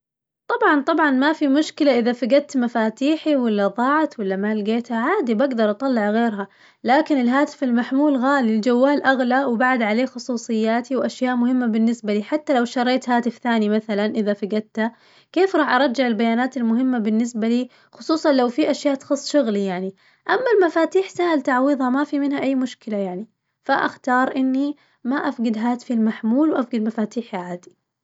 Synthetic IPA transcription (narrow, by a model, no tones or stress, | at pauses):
t̪ˤɑbʕɑnt̪ˤɑbʕɑnmafimʊʃkɪlaʔɪðafaɡat̪mafaːt̪iːħiwɪlːaðˤɑːʕt̪wɪlːamalɡeːt̪haʕaːd̪ibaɡd̪ɑɾˤʔɑt̪ˤɑlːɪʕɣeːɾɦa | laːkɪnɪlɦaːt̪ɪ̥fɪlmaħmuːlɣaːlild͡ʒawːaːlʔaɣlawbaʕad̪ʕaleːxʊsˤuːsˤɨjːaːt̪iwʔaʃjaːʔmʊhɪmːabɪnːɪsbaliːħat̪ːalawʃɑɾˤːeːt̪haːt̪ɪfθaːnimaθalanʔɪðafaɡat̪ːha | keːfɾˤɑːħʔɑɾˤɑd͡ʒːɪʕɪlbajaːnaːt̪ɪlmʊɦɪmːabɪnːɪsbaliː | xʊsˤuːsˤɑnlawfiʔaʃjaːʔt̪xɨsˤːʃʊɣlijaʕni | ʔamːalmafaːt̪iːħsahalt̪aʕwɨðˤhɑmafimɪnhaʔajːmʊʃkɪlajaʕni | faʔa̰xt̪ɑːɾˤʔɪnːi | maʔafɡɪd̪ɦaːt̪filmaħmuːlwʔafɡɪd̪mafaːt̪iːħʕaːd̪i̥